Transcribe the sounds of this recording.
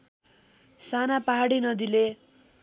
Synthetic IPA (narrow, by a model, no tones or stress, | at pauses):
sanapaɦaɽinʌd̪ile